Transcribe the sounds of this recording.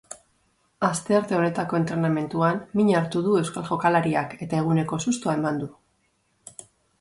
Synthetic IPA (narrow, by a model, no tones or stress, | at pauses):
ast̪e̞aɾt̪e̞o̞ne̞t̪ako̞e̞nt̪ɾe̞name̞nt̪uamːiɲaɾt̪uðue̞wskalʝo̞kalaɾiake̞t̪ae̞ɣ̞une̞ko̞sust̪uae̞mand̪u